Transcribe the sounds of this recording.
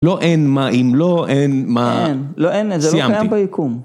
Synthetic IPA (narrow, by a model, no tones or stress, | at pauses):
loʔenmaʔimloʔenmanloʔenzelojaajambejikum